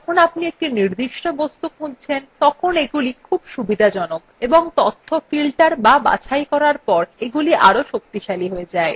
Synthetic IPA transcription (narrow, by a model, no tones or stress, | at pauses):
ɔkʰonapniek̚ʈiniɾd̪iʃʈobost̪ukunt͡ɕʰent̪ɔkʰoneɡulikʰubʃubid̪ʱad͡ʑɔnokeboŋt̪ot̪ʰːofilʈaɾbaba̰t͡ɕʰajkɔɾaɾpɔɾeɡuliʔaɾoʃok̚t̪iʃaliɦoed͡ʑae